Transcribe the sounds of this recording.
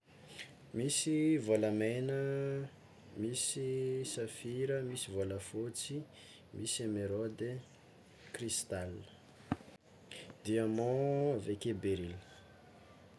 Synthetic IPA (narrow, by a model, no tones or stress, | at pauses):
misivolamenə | misisafiɾəmisivoləfot͡si | misameɾɔd̪e | krist̪alə | d̪iamɔ̃vekebeɾil